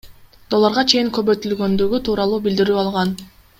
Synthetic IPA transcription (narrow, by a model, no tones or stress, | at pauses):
d̪̥o̞lˠːɑɾʁɑt͡ʃʰe̞jiŋkø̞βøjt̪ylɡø̞nd̪yɡyt̪ʰuːɾɑlˠuːbild̪iɾyːɑlˠʁɑn